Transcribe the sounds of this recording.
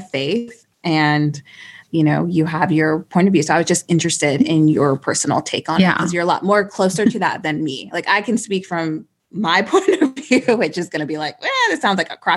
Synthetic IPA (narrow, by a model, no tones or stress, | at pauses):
feɪθ | ʔɨ̃njɨnoʊjɨəvjə˞pʰɔ̃ɪ̃ntʌvjʉsoʊaɪwʌzd͡ʒʌst̚ɪ̃nt͡ʃɹ̥ɨstɪɾɪ̃njə˞pʰɜ˞sn̩l̩ˠtʰeɪkn̩kʰʌzjə˞əlɔ̰t̚mɔɹkʰl̥oʊsə˞ɾɨðə̰t̪̚ðɨ̃nmilaɪkaɪkʰɨ̃n̩spikfɹʌ̃mː | aɪpʰɔ̃ɪ̃ntʌvjjʉwɨt͡ʃɨzɡʌnɨbilaɪk̚æðɨtsãʊ̃ndzlaɪkəkʰɹ̥ɑ